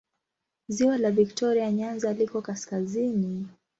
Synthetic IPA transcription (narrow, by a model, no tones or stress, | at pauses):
ziwalaviktɔɾiaɲanzalikɔkaskazini